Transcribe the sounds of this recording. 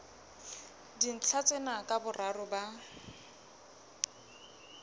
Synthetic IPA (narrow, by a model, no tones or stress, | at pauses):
din̩t͡ɬʰat͡sʼenakʼabʊrʔarʊba